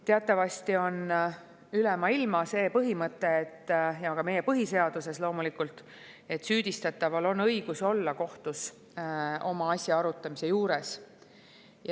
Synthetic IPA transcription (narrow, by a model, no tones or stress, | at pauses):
t̪eɑt̪ːˑɑvɑst̪io̞n | ylɛmɑilmɑse̞ːpɤɦimɤt̪ːˑe̞ːt̪ːjɑkɑme̞je̞pɤɦise̞ɑd̪̥use̞slo̞ːmulikult̪ˑ | e̞t̪ːˑsyːd̪̥ist̪ɑt̪ːˑɑvɑlo̞nɤjɡ̥uso̞lːɑko̞ht̪us | o̞mɑɑsʲjɑɑɾut̪ːˑɑmise̞juːɾe̞s | j